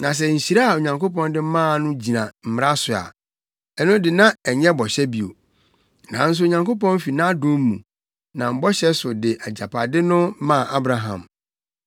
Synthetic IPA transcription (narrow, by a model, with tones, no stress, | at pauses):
nã˨s̬ɛ˨ɲ̩˨ɕi˨ɾa˦a˨o˨ɲã˨ŋko˦pɔ̃˦ndɪ˦mãː˦˨nʊ̃˦d͡ʑi˨nã˨m̩˨m˦ɾa˦sʊ˨a̰˨ | ɛ˦nʊ̃˦dɪ˨nã˦ɛ˨ɲɛ̃˦bɔ˨ɕɛ˦bi˨o̰˨ | nã̰˨˦n̩˦s̬ʊ˦o˨ɲã˨ŋko˦pɔ̃˦n˦fi˨nã˦dʊ̃˦mːṵ̃˨ | nã˨m̩˨bɔ˦ɕɛ˦sʊ˨dɪ˨ʔa˨d͡ʑa˨pʰa˨dɪ˦nʊ̃˦mã˦˨ʔa˦bɾa˨˦ɦã̰˨m